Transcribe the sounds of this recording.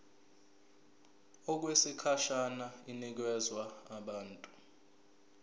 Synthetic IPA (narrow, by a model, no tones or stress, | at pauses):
ɔk̬wesikʰaʃanainik̬ɛzwaːɓaːntʼu